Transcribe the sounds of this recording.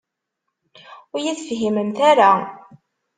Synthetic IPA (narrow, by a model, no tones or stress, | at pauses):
ʊjiθfɦiməmθaɾa